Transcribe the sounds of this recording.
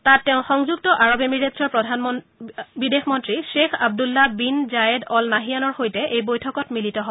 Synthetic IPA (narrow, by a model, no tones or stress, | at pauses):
tatːɛʊ̃xɔŋzuɡtɔʔaɹobemiɹetsɔɹpɹɔdʱanɔ | bidexmɔntɹiʃexʰab̚dulːabinzajedɔlnaɦijanɔɹxojtɛʔejbojtʰɔkɔtmilitɔɦobɔ